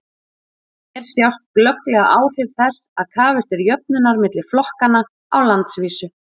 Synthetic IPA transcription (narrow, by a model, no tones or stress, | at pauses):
ɛɾ̥sjawst̪̚klœklɛɣa̰ʔaːwr̥ɪvθɛsaðkʰaːvɪst̪ɛɾjœp̚nʏnːaɾmɪt̪lɪ̥flɔhkana | a̰wlant̪sviːsʏ